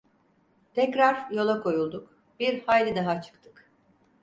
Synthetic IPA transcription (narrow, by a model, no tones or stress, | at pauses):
t̪ʰɛcɾaɾjo̞lˠakʰo̞julˠd̪uk | biɾhaːlʲid̪aɦat͡ʃʰɯ̥kt̪ʰɯ̥k